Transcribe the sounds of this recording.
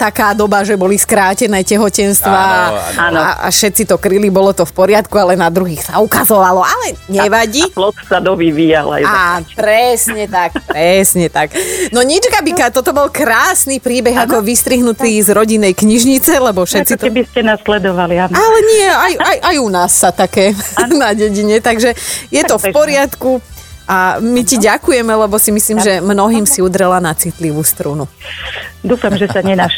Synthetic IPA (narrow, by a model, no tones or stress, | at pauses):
t̪akaːd̪ɔbaʒɛbɔliskɾaːcɛnɛːcɛɦɔcɛnst̪ʋaana̰ʔa̰ʃɛt̪t͡sit̪ɔkɾilibɔlɔt̪ɔfpɔɾɪat̪kualɛnad̪ɾuɦiːxsaukazɔʋalɔʔalɛɲɛʋaɟiplɔt̪sad̪ɔʋiʋiːja̰la̰japɾɛsɲɛt̪ak̚pɾɛsɲɛt̪aknɔɲit͡ʃkabikat̪ɔt̪ɔbɔlkɾaːsniːpɾiːbɛɣakɔʋist̪ɾiɦnut̪iːzɾɔɟinːɛjkɲiʒɲit͡sɛlɛbɔfʃɛt̪t͡siɛbiscɛnaslɛd̪ɔʋalianalɛɲɪɛajajʔajunaːsːat̪akɛːnaɟɛɟiɲɛt̪aɡʒɛjɛt̪ɔfpɔɾɪat̪ku | ʔamiciɟakujɛmɛlɛbɔsimisliːmʒɛmnɔɦiːmsiud̪ɾɛlanat͡sit̪liʋuːst̪ɾunu | d̪uːfamʒɛsaɲɛnaʃ